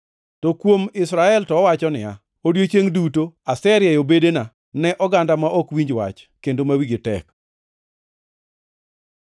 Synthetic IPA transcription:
tokwomɪsɾaɛltɔːwat͡ʃɔnɪja̰ | odjot͡ʃeŋdutoasɛɾjajobedena | nɛʔɔɡandamaʔɔkwiɲd͡ʒwa̰t͡ʃ | kendomawiɡɪtɛ̰k

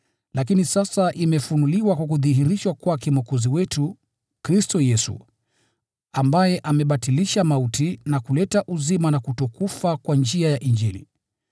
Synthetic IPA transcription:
lʔak̬inisasaʔimɛfunuliwakwak̬uðiɦiɾiʃwakuwakimɔkɔziwɛtu | kɾistɔjɛsṵ | ambajɛʔamɛɓatiliʃamautinakulɛtaʔuzimanakutɔkufakwand͡ʒiajaʔind͡ʒilḭ

